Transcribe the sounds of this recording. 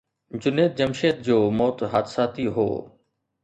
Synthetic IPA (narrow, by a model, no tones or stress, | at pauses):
d͡ʑʊneːt̪̚d͡ʑəmʃeːt̪̚d͡ʑoːmɔːt̪ɦaːt̪ʰsaːt̪iɦo̰ː